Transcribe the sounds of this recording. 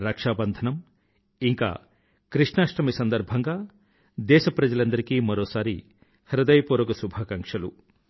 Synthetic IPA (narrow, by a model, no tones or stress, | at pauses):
ɾɐkʂaːbɐnd̪ʱɐnɐm | iŋka̰ | kɾiʂnaːʃʈɐmisɐnd̪ɐɾbʱɐŋɡa | d̪eːsɐpɾɐd͡ʒɐlɐnd̪ɐɾikimɔɾowsaɾi | hɐɾɐd̪ɐjpuɾɔkusubʱɐkɐŋkʂɐlu